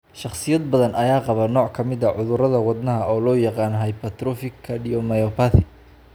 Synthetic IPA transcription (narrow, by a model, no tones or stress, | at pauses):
ʃɑχsɪjɐd̪bɐðɐnʔɐjaːqɑβɐnɔːʕkʰɐmɪðɐʕʊðʊɾɐðɐwɑd̪nɐɦɐʔɔːlɔːjɑqɑːnɦɐjpɐt̪ɾɔfɪkʰːɐɗijɔmɐjɔpʰaθɪ